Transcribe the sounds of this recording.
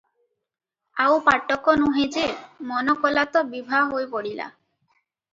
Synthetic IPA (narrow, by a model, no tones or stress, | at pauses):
awpaʈːɔkonuɦed͡ʑemɔnɔkɔlat̪obibʱaɦojpoɽila̰